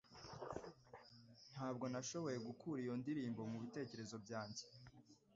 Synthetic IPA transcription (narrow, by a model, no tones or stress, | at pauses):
n̥haːb̚ɡo̞naʃo̞βo̞je̞ɡukuːɾijo̞ndiɾiːmbo̞muβite̞ːce̞ɾe̞zo̞bjaːɲɟe